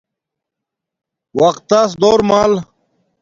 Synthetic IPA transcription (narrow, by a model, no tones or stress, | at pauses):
wɐqt̪ːas̬d̪oːɾmaːl